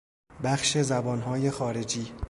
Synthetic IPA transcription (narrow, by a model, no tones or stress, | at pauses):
bæχʃezæbɒːnɦɒːje̞xɒːɾe̞d͡ʒiː